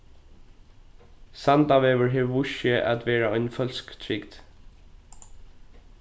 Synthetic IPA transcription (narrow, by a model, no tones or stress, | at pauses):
sant̪aʋɛːʋəɹɦɛːʋːʊʃəʔa̰t̪ʋɛːɹaɔʏnfœlskt̪ʰɹɪkd̪